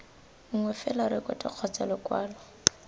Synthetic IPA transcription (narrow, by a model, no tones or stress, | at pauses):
ŋ̩ŋwɛfɛlaɾɪkɔtʼɪq͡χʰɔt͡sɛlɔkwaːlɔ